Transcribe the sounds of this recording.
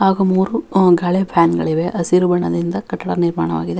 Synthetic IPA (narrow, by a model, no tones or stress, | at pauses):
aːɡɐmuːɾuɡaːɭepʰaːnɡɐɭiʋeʔɐsiɾubɐɳɐd̪ind̪ɐkɐʈːɐɽɐniɾma̰ːɳɐʋaːɡid̪e